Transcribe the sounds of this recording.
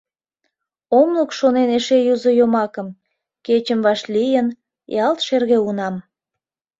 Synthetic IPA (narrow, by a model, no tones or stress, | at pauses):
omləkʃoneneʃejuzojomɑkəm | ket͡ɕəmβɑʃlijən | jɑlt̪ʃerɣeunɑm